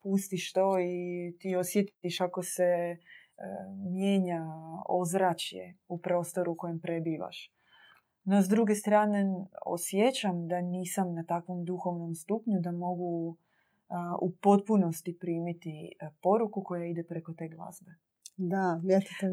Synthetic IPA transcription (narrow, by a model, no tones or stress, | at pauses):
pust̪iʃt̪o̞it̪io̞sjet̪iʃako̞se̞ | mje̞ːɲao̞zɾat͡ɕjḛupɾo̞ːst̪o̞ɾuko̞jempɾebiːʋa̰ʃ | nozd̪ɾuɡe̞st̪ɾaːne̞o̰sjet͡ɕamd̪aniːsamnat̪akʋo̞md̪uxo̞ʋno̞mst̪upɲud̪amo̞ɡu | upo̞t̪̚puno̞st̪ipɾiːmit̪ipo̞ɾukuko̞jaid̪e̞pɾe̞ko̞t̪e̞ɡlˠa̰zbe̞ | d̪aat̪it̪e